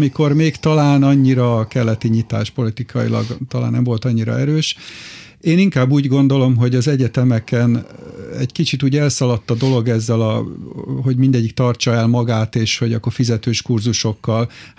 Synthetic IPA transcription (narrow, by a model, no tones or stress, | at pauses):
miko̞rmeːkt̪ɒlaːnɒɲːiɾɒkɛlːɛt̪iɲit̪a̰ːʃpo̞lit̪ikʰɒjḭlɒ̰ɡt̪ɒla̰ːnːɛmvo̞lt̪ɒɲːiɾɒ̰ɛɾøːʃ | eːniŋkaːbːuːɟɡo̞nd̪o̞lo̞mɦo̞ɟɒzɛɟɛt̪ɛmɛkɛnɛ̰ɟkit͡ʃit̪uːɟɛlsɒlɒt̪ːɒd̪o̞lo̞ɡɛzːɛlɒ | ɦo̞ɟmind̪ɛɟːikt̪ɒrt͡ʃɒɛlmɒɡaːt̪eːʃho̞ɟɒ̰kːo̞rfizɛt̪øːʃkurzuʃo̞kːɒl